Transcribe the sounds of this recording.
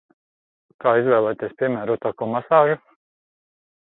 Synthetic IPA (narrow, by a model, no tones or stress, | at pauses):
kaːizvɛːlˠɛjt̪iɛspʲiɛmæːɾut̪akɔmasaːʒu